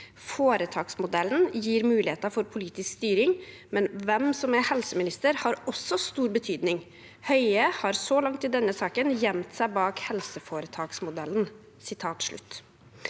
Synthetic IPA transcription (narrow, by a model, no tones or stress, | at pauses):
foːɾət̪ʰɑːksmʊd̪ɛlːnjiːɾmʉːlɪheːt̪ɑɾfɔɾpʰʊliːt̪ɪskst̪yːɾɪŋ | mɛnʋɛmsɔmæhɛlsəmɪnɪst̪əɾhɑɾɔsːɔst̪uːɾbət̪ʰyːd̪nɪŋ | hœʏəhɑɾsɔlɑŋt̪ɪd̪ɛnːəsɑːkənjɛmt̪sæɪbɑːkhɛlsəfoːɾət̪ʰɑːksmʊd̪ɛln | sɪt̪ʰɑːt̪ʂɭʉ̰t̪ː